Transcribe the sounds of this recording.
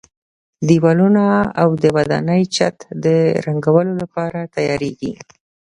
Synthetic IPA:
d̪iwɑlunaawd̪əwad̪ɑ̰nəjt͡ʃa̰t̪d̪əɾaŋɡawəlolapɑɾat̪ajɑɾeɡi

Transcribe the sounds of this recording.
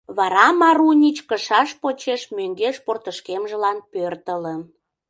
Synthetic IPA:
βɑɾɑmɑɾunʲit͡ɕkəʃɑʃpot͡ɕeʃmøŋɡeʃport̪əʃkemʒəlɑnpørt̪ələ̆

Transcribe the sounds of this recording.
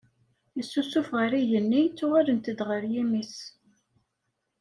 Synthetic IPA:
jəsːusufʁəɾiʝənːit͡sːʊʁalənt̪əd̪ʁəɾjimis

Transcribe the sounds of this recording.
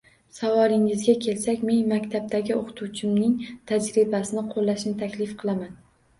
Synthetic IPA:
savɒlˠɪŋɪzɡʲakʲʰe̞lsakʲme̞nmakʲt̪ʰab̚t̪aɡʲɪoqʰt̪ʰut͡ʃʰɪmnɪŋt̪ʰad͡ʒɾɪbasɪnɪqʰolːaʃnɪt̪ʰakʲlɪfqʰɨlˠaman

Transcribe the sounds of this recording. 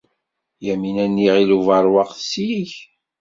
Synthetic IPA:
jæminænːiʁiluvɑɾˤwɑqθsiiç

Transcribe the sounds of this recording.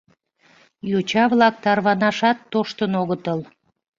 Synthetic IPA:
jot͡ɕɑβlɑk̚t̪ɑrβɑnɑʃɑt̪ːoʃt̪ənoɣət̪əl

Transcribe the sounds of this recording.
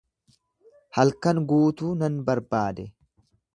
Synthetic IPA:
hɐlkɐŋɡuːt̪uːnɐnbɐɾbaːd̪ɛ

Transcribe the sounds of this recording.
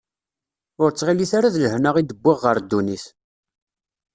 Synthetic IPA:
ʊɾt͡sːʁiliθaɾaðləhnəʁid̪əbːiʁːəɾd̪ːuniθ

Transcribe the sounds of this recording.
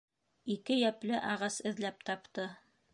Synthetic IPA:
ikɘjæplɘʔɑʁɑsɘ̆ðlæp̚t̪ɑpt̪ɤ

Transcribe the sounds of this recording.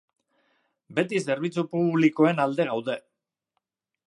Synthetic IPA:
be̞t̪ise̞ɾβ̞it͡supuβliko̞e̞nald̪e̞ɣawðe̞

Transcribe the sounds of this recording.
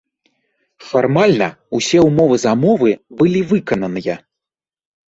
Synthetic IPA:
farmalʲnɐ | usʲɛwmɔvɨzɐmɔvɨbɨlʲivɨkɐnɐnɨjɐ

